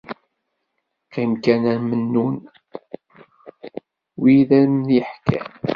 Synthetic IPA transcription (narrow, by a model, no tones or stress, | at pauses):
qimkænæɾmənːun | wiðæɾəmnjiħkæ̰